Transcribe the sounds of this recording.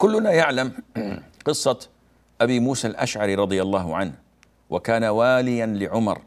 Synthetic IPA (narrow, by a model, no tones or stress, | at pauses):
kʊlːʊnajaʕlamqɨsˤːɑ | ʔabimuːsalʔa̰ʃʕɑɾiɾˤɑd̪ˤɨjɑlˤːɑːhʊʕanh | wʔakaːnawaːlɪjanlɪʕʊmɑ̰ɾˤ